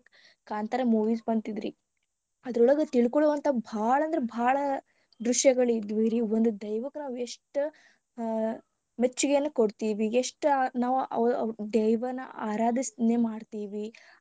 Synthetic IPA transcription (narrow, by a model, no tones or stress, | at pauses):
kaːnt̪ɐɾɐmuːʋiːsbɐnt̪id̪ɾḭ | ɐd̪ɐɾɔɭɐɡɐt̪iɭkɔɭuʋɐnt̪ʰɐbʱaːɭɐnd̪ɾebʱaːɭɐ | d̪ɾuʂjɐɡɐɭid̪ʋiɾiond̪ud̪ɐjʋɐkːnaːʋueʂʈ | met͡ʃːuɡejɐnːɐkoɽt̪iːʋieʂʈnaːʋuʔɐ̰d̪ɛjʋɐnːɐaːɾaːd̪isnemaːɖt̪iːʋi